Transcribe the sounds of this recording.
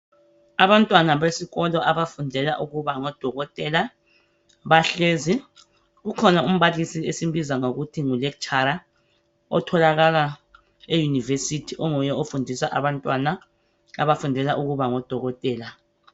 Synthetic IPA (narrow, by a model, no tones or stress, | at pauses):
aβantʼwanaβesiɣɔlɔʔaβafundʱɛlaʔuɣuβaŋɔd̥ʱɔɣɔtʼɛla | βaɬeːzi | ɣukʰɔnaum̩βalisiesimbizaŋoɣutʰiŋulɛk̚t͡ʃʼaɾa | ɔ̰tʰɔlaɣala | ejunivesitʰiʔɔŋujɛofundʱisaʔaβantʼwana | a̰βafundʱɛlaʔuɣuβaŋɔd̥ʱɔɣɔtʼɛːla